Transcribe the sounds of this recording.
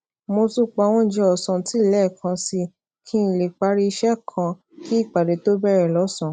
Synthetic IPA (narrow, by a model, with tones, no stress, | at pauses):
mo˧tu˦k͡pa˧˦w̃ɔ̃˦d͡ʒɛ˧ɔ˨sɔ̃˨ti˨˦˨lɛ˦˨kʰã˧si˧ | kʰĩ˦˨˧le˨k͡pa˧˦ɾi˦i˧ʃɛ˦˨kʰã˧ | ki˦i˦˨k͡pa˨de˨to˦bɛ˦˨ɾɛ˨lɔ˨˦sɔ̃˨